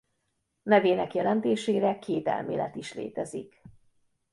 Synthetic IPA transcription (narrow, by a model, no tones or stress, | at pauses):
nɛveːnɛkjɛlɛnt̪eːʃeːɾɛkʰeːt̪ɛ̰lmḛːlɛ̰t̪iʃlḛːt̪ɛzik